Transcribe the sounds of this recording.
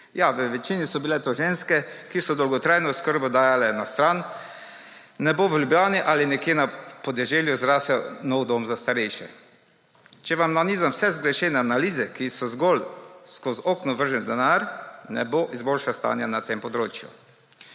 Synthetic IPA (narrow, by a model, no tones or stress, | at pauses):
jaʋəʋɛt͡ʃiːnisɔbilɛt̪oʒenskɛkisɔd̪ɔwɡɔt̪ɾaːjnɔskəɾbɔd̪aːjalɛnast̪ɾan | ɛboʋəlʲjubjaːniʔalinɛkjenapɔd̪ɛʒeljuzɾaːsɛnɔwd̪omzast̪aɾɛjʃɛ̰ | t͡ʃɛʋamnaniːzamsɛzɡɾɛʃenɛanaliːzɛkisɔzɡolskozoːknɔʋəɾʒɛnd̪ɛnaɾnɛ̰boʔizbolʃast̪a̰ːnjanat̪empɔd̪ɾoːt͡ʃjṵ